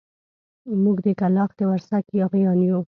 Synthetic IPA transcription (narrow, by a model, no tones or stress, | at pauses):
muɡd̪əkalɑxd̪əwaɾsakjɑɣjɑnju